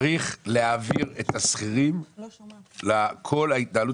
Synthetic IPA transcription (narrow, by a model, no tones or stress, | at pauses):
ʁiχleaviʁet̪asχiʁim | lakʰo̞lait̪̚dalu